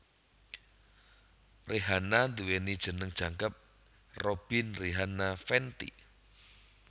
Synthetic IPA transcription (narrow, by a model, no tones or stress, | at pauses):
rʔeɦanand̪uwenid̥ʒ̥ə̤nəŋ̥ʒ̥a̤ŋkəp̚ | rob̥ɪ̤nriɦanafɛnt̪ḭ